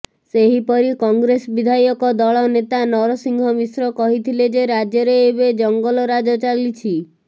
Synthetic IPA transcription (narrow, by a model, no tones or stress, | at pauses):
seɦipɔɾikɔŋɡɾesɔbid̪ʱajɔkɔd̪ɔɭɔnet̪anɔɾɔsiŋɡʱɔmisɾɔkɔɦit̪ʰiled͡ʒeɾad͡ʒjɔɾeːbed͡ʒɔŋɡɔlɔɾad͡ʒɔt͡ʃalit͡ʃʰi